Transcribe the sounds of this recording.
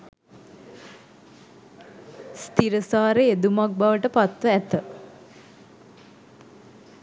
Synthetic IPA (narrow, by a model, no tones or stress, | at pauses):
st̪iɾəsaːɾeed̪umak̚baʋəʈəpat̪ʋəæt̪ə